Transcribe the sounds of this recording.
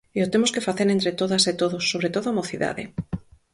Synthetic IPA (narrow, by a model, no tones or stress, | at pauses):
eot̪emoskefaθeɾẽnt̪ɾet̪oðaset̪oðosːoβɾet̪oðoamoθiða̰ðḛ